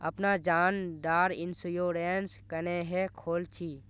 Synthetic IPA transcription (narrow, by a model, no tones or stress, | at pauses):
ə̰pnad͡ʒaːnɖaːɾɪnsʊjoːɾenskəneɦɛkʰoːlt͡ʃʰiː